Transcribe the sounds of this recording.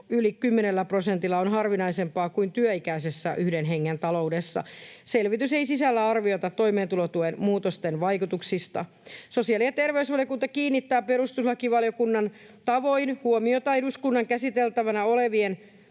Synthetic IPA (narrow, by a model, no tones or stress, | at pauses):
ylikymːenelːæprosent̪ilːɑonɦɑrʋinɑisempɑːkuint̪yøikæisesːæʔyhdenɦeŋːent̪ɑlo̞udesːɑ̰selʋit̪yseijsisælːæɑrʋiot̪ɑt̪ːo̞imeːnt̪ulot̪uenmuːt̪ost̪enʋɑikut̪uksist̪ɑ̰ | so̞siɑliɑt̪erʋeusʋɑljokunt̪ɑkiːnːit̪ːæːpeɾust̪uslɑkiʋɑljo̞kunːɑnt̪ɑʋo̞inhuomiot̪ɑiduskunːɑŋkæsit̪elt̪æʋænæoleʋien